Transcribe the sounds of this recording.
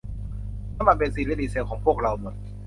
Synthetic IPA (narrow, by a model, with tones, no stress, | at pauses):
a˥maː˨˩npe˧nsiː˧˨˩li˦˥˩liː˨˩se˧wkʰɔː˩˦ŋpʰu˥˩ək̚ɾa˧wmo˨˩t̪̚